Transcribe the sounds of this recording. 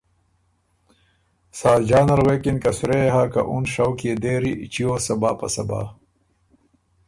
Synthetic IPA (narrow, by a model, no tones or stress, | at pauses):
saːd͡ʑaːnɐɾweːkinkɐsuɾeɦaːka̰ʔunʂɐwkijed̪eːɾit͡ɕioːsɐbaːpɐ̰sɐ̰ba̰ː